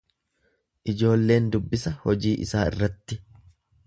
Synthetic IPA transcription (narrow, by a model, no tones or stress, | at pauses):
ʔɪd͡ʒo̞ːlːe̞ːnd̪ʊbːɪsɐhɔd͡ʒiːʔɪ̰saːɪ̰rːɐt̪ːɪ